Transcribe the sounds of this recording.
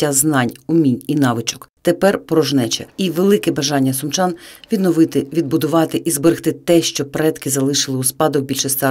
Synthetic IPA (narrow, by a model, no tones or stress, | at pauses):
aznɑnʲʊmʲinʲinɑʋɪt͡ʃɔ̥kt̪epɛrpɾɔʒnɛt͡ʃɛ̰iʋelˠɪkɛbɐʒɑnʲːɐsʊmt͡ʃɑnʋʲid̪nɔʋɪt̪ɪʋʲid̪bʊd̪ʊʋɑt̪ɪʔizbɔɾɪxt̪ɪt̪ɛʃt͡ʃɔpɾɛt̪kɪzɐlˠɪʃɪlˠɪuspɑd̪ɔbʲilʲʃɪst̪ɛ